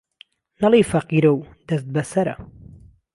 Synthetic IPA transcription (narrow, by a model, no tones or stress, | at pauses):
nɐlijfɐqiːɾɐw | d̪ɐst̪̚bɐsɐɾɐ̰